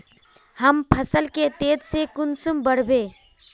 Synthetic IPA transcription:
həmpʰəsəlket̪ed̪sekunsumbəɽbe

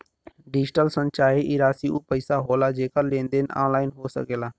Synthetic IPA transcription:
ɖɪd͡ʒʈəlsənt͡ʃaːɾiʔiɾaːsiuːpəɪsaɦoːlaːd͡ʒeːkəɾlẽːnd̪eːn̰a̰ːnlaːɪnɦoːsə̰keːlaː

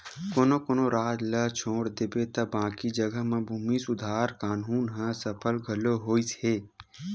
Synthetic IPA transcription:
koːnokoːnoɾaːt̪lɐt͡ʃʰoːɽd̪ɪbet̪ɐbãːkid͡ʒəɡəɦmãbʱuːmisʊd̪ʱaːɾkaːnuːnɦə̃səpʰəlɡʱɐloɦoːiseː

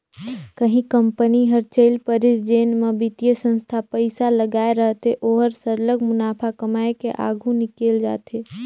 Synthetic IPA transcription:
kəɦĩkə̃mpəniɦəɾt͡ʃeɪlpəɾɪsd͡ʒeːnmebit̪ijəsə̃nst̪ʰapəɪsaləɡaːeɾəɦt̪eʔoːɦəɾsəɾləɡmʊnaːpʰakəmaːekeʔa̰ːɡʱũnɪkeːld͡ʒa̰ːt̪eː

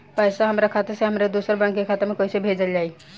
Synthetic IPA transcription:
pəjsaɦəmɾakʰat̪eseɦəmɾed̪osəɾbãŋkekʰat̪emekɔisebʱed͡ʒəld͡ʒai

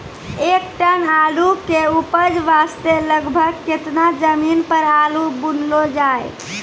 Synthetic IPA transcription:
ekʈənalukeupəd͡ʒʋast̪eləɡbʱəɡket̪nad͡ʒəminpəɾalubunlod͡ʒaj

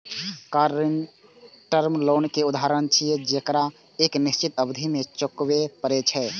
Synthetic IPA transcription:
kaɾɪn | ʈəɾmloːnkeʊd̪aɾənt͡ʃʰijed͡ʒekɾa | eːknɪst͡ʃit̪əbd̪ʱimẽt͡ʃokwepəɾet͡ʃʰɛː

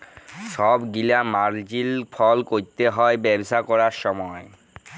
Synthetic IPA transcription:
ʃɔbɡilamaɾd͡ʑilpʰɔlkoɾt̪eɦɔebɛbʃakɔɾaɾʃɔmɔe

